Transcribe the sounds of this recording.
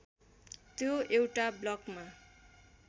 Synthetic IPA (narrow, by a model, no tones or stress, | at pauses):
t̪joewʈablʌkma